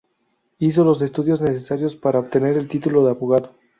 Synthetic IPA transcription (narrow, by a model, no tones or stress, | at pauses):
is̬o̞lo̞s̬e̞st̪uðjo̞zne̞se̞saɾjo̞spaɾaoβt̪e̞ne̞ɾe̞lt̪it̪ulo̞ðeaβoɣaðo